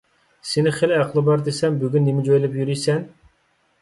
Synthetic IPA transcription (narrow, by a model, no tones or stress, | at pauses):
senɪχelæqʰlˠɨbɑɾd̪esɛmbyɡʲynːemɪd͡ʒojlˠɪpjyɾijsɛn